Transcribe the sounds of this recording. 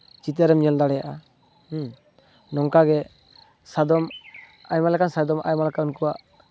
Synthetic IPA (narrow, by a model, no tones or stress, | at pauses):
t͡ʃit̪̬ɛɾɛmɲɛld̪aɽɛjaʔa | nɔŋkaɡɛ | sad̪ɔm | ajmalɛkansad̪ɔma̰jmalɛkaunkuwaʔ